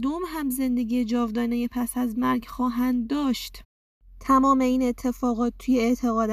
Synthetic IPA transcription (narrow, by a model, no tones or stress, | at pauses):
d̪omɦæmze̞nd̪e̞ɡʲiːjed͡ʒɒːvd̪ɒːnejepʰæsæzmæɾɡxɒːɦænd̪dːɒːʃt̪ | t̪ʰæmɒːme̞iːne̞t̪ʰːe̞fɒːɣɒːt̪̚t̪ʰːujeeʔt̪ʰe̞ɣɒːd̪